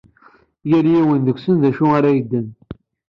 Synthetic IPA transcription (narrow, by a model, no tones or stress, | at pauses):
jæɾjæwənðəkʷsənðæʃuaɾæjəd̪ːən